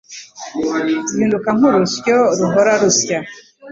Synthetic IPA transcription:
ziːndukaŋ̥uɾusjoɾuɦoɾaɾusja

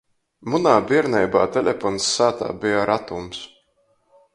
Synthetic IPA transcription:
munaːbiɛɾnɛjbaːt̪ɛlʲɛfɔnsːaːt̪a̰ːbijaɾʔat̪ums

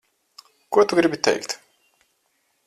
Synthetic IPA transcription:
kuɔt̪uɡɾibit̪ːɛ̰jkt̪

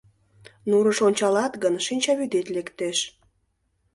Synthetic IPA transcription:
nuɾəʃonʲt͡ɕɑlɑt̪ɡənʃinʲt͡ɕɑβyd̪et̪lekt̪eʃ

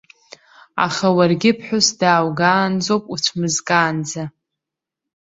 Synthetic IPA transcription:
a̰χawarɡʲɪpʰħʷᶣʊsdaːwɡaːnd͡zowpʼuʈ͡ʂʷʰmɨzkʼaːnd͡za

